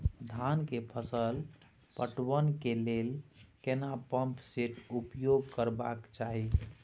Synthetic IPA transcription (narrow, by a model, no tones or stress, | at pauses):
d̪ʱankepʰəsəl | pəʈwənkelelkenapəmpseʈupjoɡkəɾbakt͡ʃaɦi